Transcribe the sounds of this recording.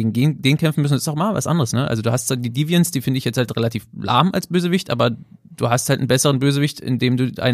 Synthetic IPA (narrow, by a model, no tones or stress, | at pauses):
ɡŋ̩deːnd̥eːnkʰɛmfn̩mʏsnsɪstaʊxmava̰sʔa̰ndəʁ̞əsnəʔa̰lzoduːhastt͡sv̥aːdiːdiːvjɛnsd̥iːfɪndəɪçjɛt͡sthaltʁɛlatʰiːflʔa̰ɐmʔa̰lsb̥øːzəvɪçtʔaːbɐ | d̥uːhasthaltn̩bɛsəʁənbøːzəvɪçtɪ̰ndeːmduːa̰ɪn